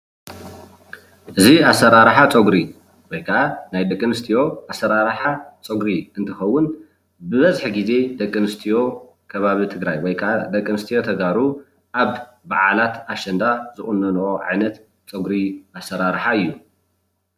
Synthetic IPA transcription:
ʔɨziasːɐɾaɾħat͡sʼoɡɾi | wɔjkʰanajd̪ɐkʼːɨnɨst̪ʰijo̞asɐɾaɾħat͡sʼoɡɾiɨnt̪ʰɨxɐwːʊn | bɨβɐzħiɡize̞d̪ɐkʼːɨnɨst̪ʰijo̞ | kʰɐβaβit̪ʰɨɡɾajwɔjkʰad̪ɐkʼːɨnɨst̪ʰijo̞t̪ʰɐɡaɾu | ʔaβ | baʕa̰lat̪aʃɐnd̪azɨχʼʊnːɐnʔoʕa̰jnɐt̪ | t͡sʼoɡɾiʔasːɐɾaɾħaɨjːu

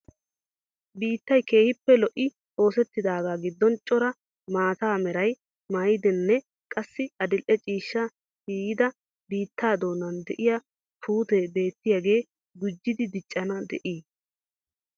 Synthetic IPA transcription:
biːt̪ːɐjke̞ːhɪpːɛlɔʔɪ | o̞ːsɛt̪ːɪd̪aːɡaːɡɪd̪ːɔnt͡ʃʼɔɾɐ | maːt̪aːmɛɾɐj | majɪd̪ɛnːɛ | kʼɐsːɪɐd̪ɪlʔɛt͡ʃʼiːʃːɐ | siːjɪd̪ɐ | biːt̪ːaːd̪o̞ːnːɐnd̪ɛʔɪja | pʰuːt̪ebe̞ːt̪ːɪjaɡe̞ː | ɡʊd͡ʒːɪd̪ɪd̪ɪt͡ʃʼːɐnɐd̪ɛ̰ʔiː

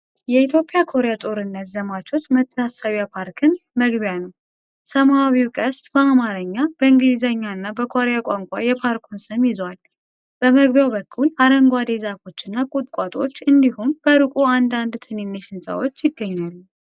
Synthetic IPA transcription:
jɛit̪ʰjo̞pʼːjakʰo̞ɾejat̪ʼo̞ɾɨnːət̪zəmat͡ʃʰo̞t͡ʃːmət̪ʰːəasəβjapʰaɾkʰɨnməɡbjanəw | səmaβiwkʼəst̪ʼbəamaɾəɲːab̥əɨŋɡɨlizəɲːaɨnːabəkʰo̞ɾejakʷʼaŋkʷʼa̰jɛpʰaɾkʰunsɨmjɪzwal | b̥əməɡβjawbəkʰːulaɾəŋɡʷad̪e̞zako̞t͡ʃːɨnːakʼut̪ʼkʼat̪ʼo̞̰t͡ʃːɨnd̪ihumb̥əɾɨkʼuand̪and̪t̪ʰɨninːeʃɪnsə̰wot͡ʃːjɪɡːəɲːalːu

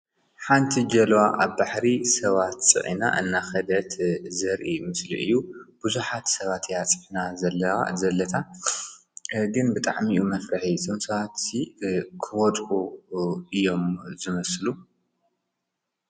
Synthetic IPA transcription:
ħant̪ʰid͡ʒɐlwaʔaβbaħɾisɐβat̪t͡sʼɨ̰ʕḭna̰ʔɨnːaxɐd̪ɐt̪zɐɾʔimɨslḭʔɨ̰jːub̥ɨzuħat̪sɐβat̪jat͡sʼɨʕinazɐl̰ːzɐlːɐt̪ʰa | ɡɨnbɨt̪ʼa̰ʕmiʔumɐfɾaħitʰomsɐβat̪ikʰɨwɔt̪ʼu | ɨjːo̞mzɨmɐslu

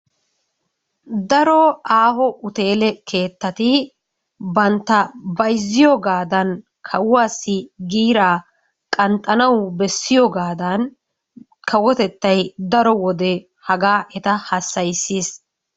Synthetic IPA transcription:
d̪ɐɾɔaːɦɔʔʊt̪e̞ːlɛkʰe̞ːt̪ːɐt̪ɪ | bɐnt̪ːɐbɐjzːɪjɔːɡaːd̪ɐn | kʰɐwʊwaːsːɪɡiːɾaː | kʼɐnt̪ʼːɐnɐwbɛsːɪjɔːɡaːd̪ɐn | kʰɐwɔt̪ɛt̪ːɐjd̪ɐɾɔwɔd̪ɛ | hɐɡaːʔɛt̪ɐhɐsːɐjsːiːs

